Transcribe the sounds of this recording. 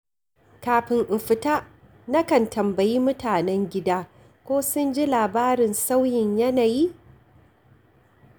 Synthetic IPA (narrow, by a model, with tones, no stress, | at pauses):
kaː˨ɸɪ˨ŋʔɪ˨ɸɪ˨ta˦ | nɐ˦kɐ˨ntɐ˨mbɐ˨jiː˦mʊ˦taː˨nɛ˦ŋɡʲɪ˦daː˦ | kʷoː˦sʊ˦nd͡ʒi˦laː˨baː˦ɾɪ˨nsa˦wjɪ˨ɲjɐ˦naː˨ji˦